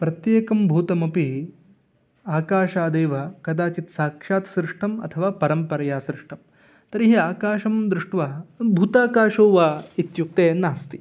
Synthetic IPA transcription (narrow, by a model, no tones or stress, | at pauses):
pɾɐt̪jeːkɐmbʱuːt̪ɐmɐpi | aːkaːʃaːd̪eːʋɐkɐd̪aːt͡ʃit̪saːkʂaːt̪sɾɪʂʈɐmɐ̰t̪ʰɐʋaːpɐɾɐmpɐɾɐjaːsɾɪʂʈɐm | t̪ɐɾiɦiaːkaːʃɐmd̪ɾɪʂʈʋabʱuːt̪aːkaːʃoːʋait̪juk̚t̪eːnaːst̪i